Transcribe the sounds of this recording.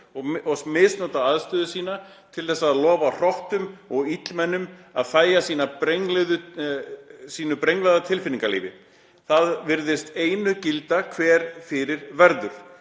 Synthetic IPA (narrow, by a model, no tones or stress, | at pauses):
ɔɔsmɪsnɔt̪aaðst̪ʏːðʏsiːna | t̪ʰɪlθɛsːaːðlɔːvar̥ɔht̪ʏmɔɣit̪lmɛnːʏma̰ðθaːjasiːnapɾejŋlɛðʏ | siːnʏpɾejŋlɛðat̪ʰɪlfɪniŋkalḭːvɪ | θaðvɪɾðɪst̪eːjnʏcɪlt̪akʰvɛːɾ̥fɪɾɪɾvɛɾðʏɾ̥